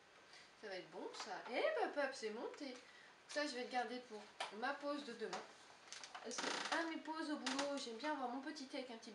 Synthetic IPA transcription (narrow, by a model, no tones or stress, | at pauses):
savaɛt̪χbɔ̃saʔemapœpsɛmɔ̃t̪ẽ | ksaʒəvɛd̪əɡaʁd̪ed̪əbumapozd̪əd̪əmɛ̃ | sɛamepozobuloʒɛmbjɛ̃avwaʁmɔ̃pət̪it̪ɛvɛkɛ̃pət̪ib